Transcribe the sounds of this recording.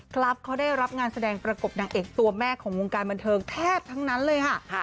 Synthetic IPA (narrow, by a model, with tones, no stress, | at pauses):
kʰla˦˥p̚kʰa˦˥wdaː˥˩jɾa˦˥p̚ŋaː˧nsa˧dɛː˧ŋpɾa˧ko˨˩p̚naː˨˩ŋʔeː˨˩k̚t̪u˧ɐmɛː˥˩kʰɔː˩˦ŋwoː˧ŋkaː˧nba˧nt̪ʰɤː˧ŋt̪ʰɛː˥˩p̚t̪ʰa˦˥ŋna˦˥nlɤː˧jkʰa˥˩